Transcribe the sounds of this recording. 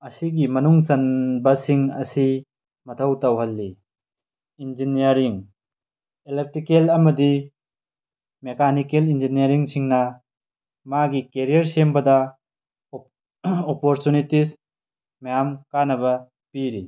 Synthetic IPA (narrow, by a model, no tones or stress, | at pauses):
ɐsiɡimɐnuŋsɐnbɐsiŋɐ̰si | mɐtʰɐwtɐwɦɐlːi | ind͡ʒinijɐɾiŋ | elep̚tɾikelɐmɐdi | mekanikelind͡ʒiniɐɾiŋsiŋnɐ | maɡikeɾijɐɾsembɐdɐ | opoɾtunitis | majamkanɐbɐ | piɾi